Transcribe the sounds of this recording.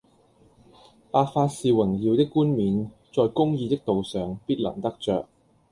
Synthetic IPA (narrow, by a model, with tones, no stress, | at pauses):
paː˧t̚faː˧t̚siː˨wɪ˨˩ŋjiː˨˧wt̪ɪ˥kːuː˥nmiː˨˧n | t͡sɔː˨jkʊ˥ŋjiː˧t̪ɪ˥k̚t̪o˨wsœː˨ŋpiː˥t̚lɐ̰˨˩ŋt̪ɐ˥k̚t͡ʃœː˨k̚